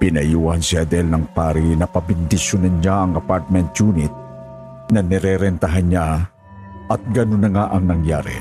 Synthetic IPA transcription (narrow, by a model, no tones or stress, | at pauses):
pɪnɐjuːɐnsɪɐd̪ɛlnɐŋpaːɾinɐpɐbɪnd̪ɪʃjʊnɐnɲaɐŋɐpaɹt̪̚mɛnt̪juːnɪt̪̚ | nɐnɛɾɛɾɛnt̪ɐɦanɲa | ɐt̪̚ɡɐnʊnːɐŋaʔɐŋnɐŋja̰ːɾḭ